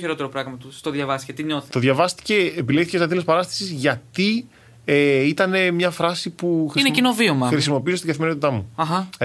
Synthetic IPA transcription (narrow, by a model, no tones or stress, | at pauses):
çiɾo̞t̪e̞ɾo̞pɾɐɣmɐt̪ut̪oðʝɐvɐst̪i̥cet̪iɲoθi̥t̪o̞ðʝɐvɐst̪i̥ce̞ːpilexθicesɐðilepɐɾɐst̪ɐ̥sizʝɐt̪i | eit̪ɐne̞mɲɐfɾɐsipuxɾiisnecino̞viomɐxɾisimo̞piiso̞st̪iɡɐθimeɾinot̪it̪ɐmuɐɦɐ